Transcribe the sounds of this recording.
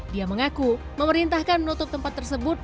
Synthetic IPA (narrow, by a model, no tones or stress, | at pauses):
diaməŋaku | məməɾint̪ahkanmənut̪ʊp̚t̪əmpat̪ːərsəbʊt̪̚